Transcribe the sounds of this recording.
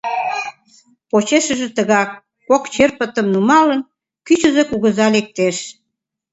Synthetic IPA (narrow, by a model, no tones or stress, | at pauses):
pot͡ɕeʃə̆ʒĕt̪əɣɑkː | okt͡ɕerpət̪əmnumɑlən | kyt͡ɕə̆zekuɣəzɑlek̚t̪eʃ